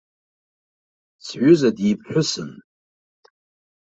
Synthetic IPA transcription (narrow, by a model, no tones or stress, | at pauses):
t͡sʰʕʷʊzadip̚ʰħʷᶣʊsɨn